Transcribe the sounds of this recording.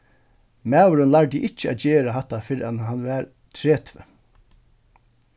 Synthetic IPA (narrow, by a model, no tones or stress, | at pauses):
mæːwɾʏnlaɹd̪iʔɪcːəæ̰ːt̪̚d͡ʒeːɾaɦat̪ːafɪɾanɦanʋæːɾ | t̪ʰɾeːt̪ʰvə̰